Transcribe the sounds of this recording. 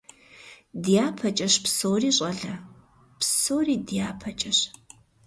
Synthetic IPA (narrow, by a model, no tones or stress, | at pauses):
dijaːpʰɐt͡ʃʼɐɕpsoːriːɕʼɐɮɐ | psoːriːdjaːpʰɐt͡ʃʼɐɕ